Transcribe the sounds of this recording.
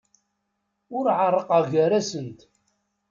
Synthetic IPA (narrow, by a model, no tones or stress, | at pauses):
ʊɾʕərˤːəqəʁʝæɾæsənt̪